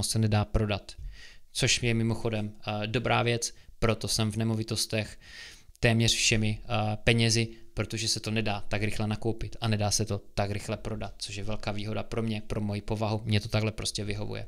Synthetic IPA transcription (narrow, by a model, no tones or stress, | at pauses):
osɛnɛdaːpɾo̞dat̪t͡so̞ʃjɛmɪmo̞xo̞dɛmdo̞bɾa̰ːvjɛt͡spɾo̞t̪o̞sɛmvnɛmo̞vɪt̪o̞st̪ɛxt̪ɛːmɲɛrfʃɛmɪpɛɲɛzɪpɾot̪o̞ʒɛsɛt̪o̞nɛdaːt̪aɡɾɪxlɛnakowpɪt̪ʔanɛdaːsɛt̪o̞t̪akɾɪxlɛpɾo̞dat̪̚t͡soʃjɛvɛlkaːviːɦo̞dapɾo̞mɲɛpɾo̞mojipo̞vaɦumɲɛt̪o̞t̪aɡlɛpɾo̞scɛvɪɦo̞vṵjɛ̰